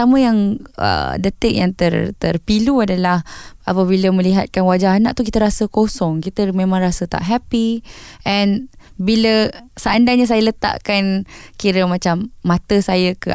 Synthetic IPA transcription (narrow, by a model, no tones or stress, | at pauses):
amə̃jaŋə̰dət̪ɪk̚jaŋt̪ərt̪ərpiluadalahapəbiləmə̃liɦat̪̚kanwad͡ʒaɦanãʔt̪uk̬it̪əɾasəkosɔŋkit̪əmẽmãŋrasət̪a̰ʔɦɛpiʔɛn | biləsəandaɲas̬ajələt̪a̰ʔkankiɾəmat͡ʃamːãt̪əsajəkə